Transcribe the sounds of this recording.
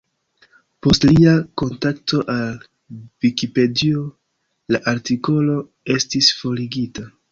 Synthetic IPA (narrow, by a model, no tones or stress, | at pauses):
po̞stliako̞ntakto̞ʔal | vikipe̞dio̞ | laʔaɾtiko̞lo̞ | e̞stisfo̞liɡita